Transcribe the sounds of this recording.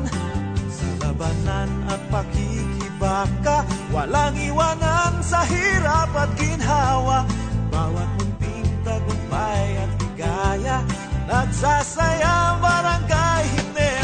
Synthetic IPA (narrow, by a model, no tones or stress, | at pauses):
salabananaŋpakikibakawalaŋiwanaŋsaɦiɾapat̪̚ɡɪnɦawabawat̪̚mʊnpint̪aɡʊŋbajat̪̚ɪɡajanaɡsasajabaɾaŋɡajɦɪnɛ